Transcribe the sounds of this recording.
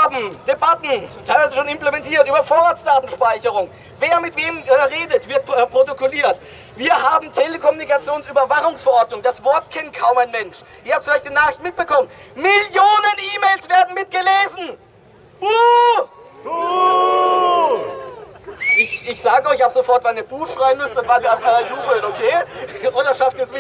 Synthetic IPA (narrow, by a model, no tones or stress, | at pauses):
bm̩d̥ebatn̩tʰaɪlvaɪzəʃoːnɪmplemɛntiːɐtʔyːbɐfoːɐʁaːtt͡sd̥aːtn̩ʃpaɪçəʁ̞ʊŋ | veːɐmɪtv̥eːmɛʁeːdətv̥ɪɐt̚ːpʁ̥otokʰoliːɐt | viːɐɦaːbm̩tʰeləkʰɔmunikat͡sjoːnsyːbɐvaχʊŋsfɛɐʔɔɐtnʊŋd̥asv̥ɔɐtkʰɪnkʰaʊmaɪnmɛnʃʔɪçhaːbə̥fʊlaɪçtdinaːχʁ̥ɪçtnmɪt̚b̥əkʰɔmənnmɪljoːnənʔiːmeːlsv̥eːɐdn̩mɪt̚ɡ̥əleːzn̩ | b̥u | ʔɪçɪçz̥aːɡəɪçhaːbəz̥ofɔɐtmaɪnəb̥uːxʃʁ̥aɪənmʏsnvataaɐjuːbl̩okʰeːʔoːdɐʃaftiːɐɛsmɪ